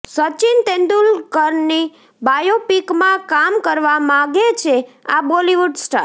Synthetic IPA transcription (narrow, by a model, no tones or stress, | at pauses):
sət͡ʃint̪ẽnd̪ulkəɾni | bajopikmãkamkəɾʋamãɡet͡ʃʰeaboliʋuɖsʈa̰ɾ